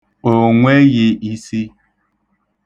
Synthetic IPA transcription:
o˨ŋʷe˦ji˨ʔi˦si˦

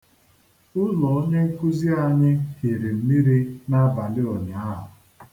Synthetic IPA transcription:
ʊ˦lɔ˨o˦ɲe˦ku˦zi˦a˨ɲɪ˦he˨ɾe˨m̩˦mi˦ɾi˦na˦ba˨lɪ˦ɔ˨ɲɪ˨a˦ɦʊ̰˨

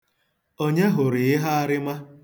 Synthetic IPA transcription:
o˦ɲe˦ɦʊ˨ɾɪ˨ɪ˦ɦa˦a˦ɾɪ˦ma˦

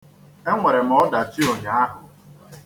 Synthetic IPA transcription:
e˦ŋʷe˨ɾe˨m̩˨ɔ˦da˨ti˦o˨ɲa˨˦a˦ɦʊ˨

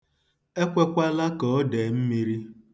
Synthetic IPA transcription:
e˦kʷe˦kʷa˦la˦kɔ˨˦de˨m̩˦mi˦ɾi˦

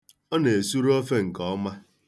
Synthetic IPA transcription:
ɔ˦ne˨e˨su˦ɾo˦fe˦ŋ̩˨kɔ˦ma˦

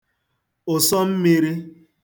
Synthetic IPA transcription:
ʊ˨sɔ˦m̩˦mi˦ɾi˦

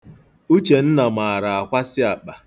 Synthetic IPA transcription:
u˦t͡ʃe˨n̩˦na˨ma˨ɾa˨a˨kʷa˦sɪ˦a˨k͡pa˨

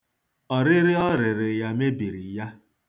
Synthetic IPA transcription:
ɔ˨ɾɪ˦ɾɪ˦ɔ˦ɾɪ˨ɾɪ˨ja˦me˦bi˨ɾi˨ja˦

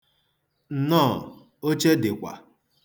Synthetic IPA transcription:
n̩˨nɔː˦˨ | o˦t͡ʃe˦dɪ˨kʷa̰˨

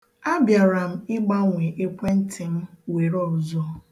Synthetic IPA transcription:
a˦bja˨ɾa˨m̩˦ɪ˦ɡ͡ba˦ŋʷe˨ʔe˦kʷe˦n̩˦tʰɪ˨m̩˦we˨ɾɔ˨zɔ˦˨

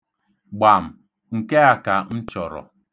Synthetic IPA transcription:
ɡ͡ba˨m̩˨ | ŋ̩˨ke˦a˨ka˨n̩˦t͡ʃɔ˨ɾɔ̰˨

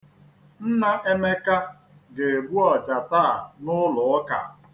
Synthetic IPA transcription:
n̩˦na˦ʔe˦me˦ka˦ | ɡe˨e˨bu˦ɔ˨t͡ʃa˨ta˦a˨nʊ˦lʊ˨˦ka̰˨

